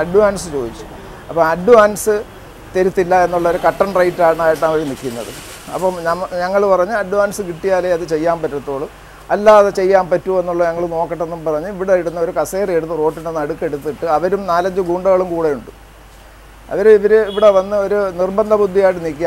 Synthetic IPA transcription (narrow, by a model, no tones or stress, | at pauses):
ɐɖːuʋaːnsɨt͡ɕo̞ːd̪it͡ɕːu̥ | ɐpːɐmɐɖːuaːnsɨ | t̪eɾut̪ːilːɐe̞nːuɭːɐo̞ɾukɐʈːɐɳrɐjtːaːɳaːjiʈːɨɐʋɐɾumnikʲːunːɐ̰ðɨ̰ | ɐ̰pːoːmɲɐmːɲɐŋːɐɭpɐrɐɲːuɐɖːuʋaːnsɨkiʈːijaːleɐðɨt͡ɕe̞jːaːmpɐtːɐt̪ːo̞ːɭɨ | ɐlːaːðɨt͡ɕe̞jːaːmpɐtːue̞nːuɭːɐɲɐŋːɐɭno̞ːkːɐʈːe̞nːumpɐrɐɲːuiʋiɽeeɽunːɐo̞ɾukɐseːreɽut̪ːɨro̞ːʈːindenːɐɽukːe̞ɽut̪ːiʈːɨɐʋɐɾumnaːlɐɲd͡ʑɨɡuːɳɖɐɣɐɭumkuːɽe̞juɳɖu | ɐ̰ʋɐɾuiʋɐɾeiʋiɽeʋɐnːɨo̞ɾunirbɐnd̪ʱɐbud̪ʱːijaːjiʈ̬ːɨnikʲːia